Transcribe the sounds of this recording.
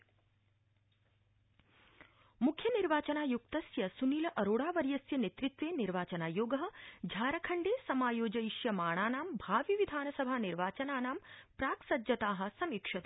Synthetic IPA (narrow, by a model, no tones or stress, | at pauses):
mukʰjɐniɾʋaːt͡ʃɐnaːjukt̪ɐsjɐsuniːlɐʔɐɾoːɽaːʋɐɾjɐsjɐneːt̪ɾit̪ʋeːniɾʋaːt͡ʃɐnaːjoːɡɐɦɐ̆d͡ʒʱaːɾɐkʰɐɳɖeːsɐmaːjoːd͡ʒɐiʃjɐmaːɳaːnaːmbʱaːʋiʋid̪ʱaːnɐsɐbʱaːniɾʋaːt͡ʃɐnaːnaːmpɾaːksɐd͡ʒɐt̪aːɦɐ̆sɐmikʂɐt̪